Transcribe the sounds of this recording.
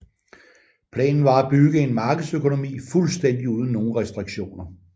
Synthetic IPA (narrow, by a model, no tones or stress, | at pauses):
pʰlɛ̰ːnn̩ʋɑ̈æb̥yɡ̥əe̝nmɑ̈ːɡ̥əð̩ˠsøkʰo̝no̝mḭːfulsd̥en̰d̥iuð̞ˠn̩nːo̝ːn̩ʁɛsd̥ʁiɡ̥ɕo̝̰ːnɐ